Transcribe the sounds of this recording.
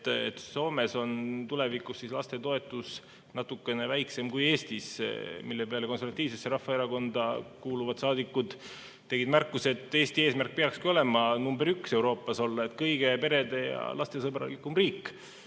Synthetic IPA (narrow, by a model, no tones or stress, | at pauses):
t̪et̪so̞ːme̞so̞nt̪ule̞vikˑusːislɑst̪e̞t̪o̞e̞t̪ːˑus | nɑt̪ːukːe̞ne̞væjkse̞mkuje̞ːst̪ismilːe̞peɑleko̞nsevɑt̪ːˑiːvsesːeɾɑhːɑeɾɑko̞nd̪̥ɑkuːluvɑd̪̥sɑːd̪ikːud̪̥ | t̪ːe̞ɡid̪̥mærkːˑuse̞t̪ːˑe̞ːst̪ieːsmærk̚peɑkskio̞le̞mɑnumbe̞ɾykse̞wɾo̞ːpːˑɑso̞lːɑet̪kɤjɡe̞pe̞ɾe̞d̪e̞jɑ̰lɑst̪e̞sɤbrɑ̰likːˑumriːkːˑ